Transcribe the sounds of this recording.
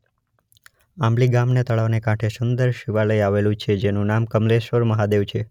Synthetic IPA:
ãmliɡamnet̪əɭaʋnekãʈʰesʊnd̪əɾʃiʋaləjaʋelũt͡ʃʰed͡ʒenũnamkəmleʃʋəɾməɦad̪eʋt͡ʃʰe

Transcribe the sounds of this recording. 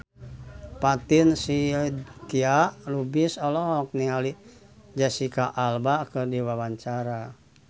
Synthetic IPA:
pat̪insikiaʔlubisɔlɔɦɔk̚niŋali | d͡ʒasikaʔːlbakərdiwawaɲt͡ʃaɾa

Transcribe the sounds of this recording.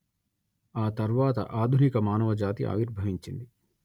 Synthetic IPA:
aːt̪ɐɾʋaːt̪ɐ̰ʔaːd̪ʱunikɐmaːnɐʋɐd͡ʒaːt̪ḭʔa̰ːʋiɾbʱɐʋiɲt͡ʃind̪i

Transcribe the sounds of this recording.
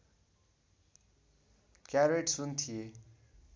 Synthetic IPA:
kjareʈsunt̪ʰie

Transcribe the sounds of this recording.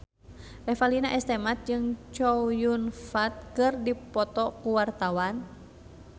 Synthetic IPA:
rɛfalinaʔɛst̪ɛmat̪̚d͡ʒɨŋt͡ʃɔjunfat̪̚kɨrdipɔt̪ɔkuwart̪awan

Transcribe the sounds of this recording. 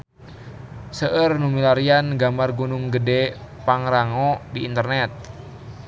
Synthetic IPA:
səʔərnumilaɾianɡamarɡunuŋɡədɛpaŋɾaŋɔdiːnt̪ərnɛt̪̚

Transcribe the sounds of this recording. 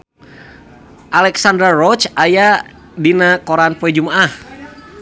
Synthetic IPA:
ʔalɛksandɾarɔt͡ʃaja | dinakoɾanpɔɛd͡ʒumaʔah

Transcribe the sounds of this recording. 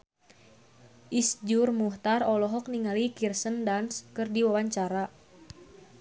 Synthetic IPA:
ʔisd͡ʒurmuht̪arɔlɔɦɔk̚niŋalikirsəndanskɨrdiwawaɲt͡ʃaɾa

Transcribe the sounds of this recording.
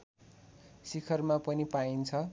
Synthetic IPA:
sikʰʌrmapʌnipaint͡sʰʌ

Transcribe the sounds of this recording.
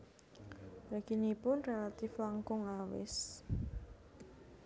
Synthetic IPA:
ɾakinipʊnrelat̪ɪflaŋkʊŋawɪ̰s

